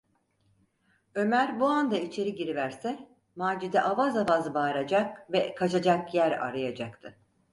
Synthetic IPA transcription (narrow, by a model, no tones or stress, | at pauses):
ø̞mæɾbuand̪ait͡ʃʰe̞ɾiɟiɾivæɾsɛ | maːd͡ʒid̪ɛʔavazavazbaːɾad͡ʒakvɛkʰat͡ʃʰad͡ʒakjæɾa̰ɾajad͡ʒakt̪ʰɯ